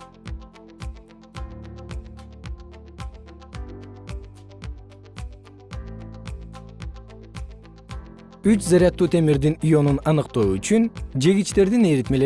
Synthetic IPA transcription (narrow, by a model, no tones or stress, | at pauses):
yt͡ʃzɑɾijɑt̪ːuːt̪ʰe̞miɾd̪inijo̞nunɑnɯqt̪o̞ːyt͡ʃynd͡ʒe̞ɡit͡ʃt̪e̞ɾd̪ineɾit̪me̞le